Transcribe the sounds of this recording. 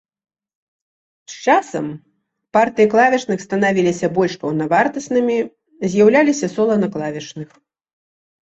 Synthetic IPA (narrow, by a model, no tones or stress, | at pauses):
st͡ʂasɐm | part̪ɨjiklˠavʲɛt͡ʂnɨxst̪ɐnavʲilʲisʲɐbɔlʲʂpɐwnɐvart̪ɐsnɨmʲi | zʲjawlʲalʲisʲɐsɔlˠɐnɐklˠavʲɛt͡ʂnɨx